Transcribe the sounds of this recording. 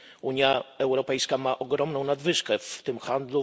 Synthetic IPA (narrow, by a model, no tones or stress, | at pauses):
uɲjaɛwɾɔpɛjskamaʔɔɡɾɔmnɔ̃w̃nad̪vɘʂkɛft̪ɘmxand̪lu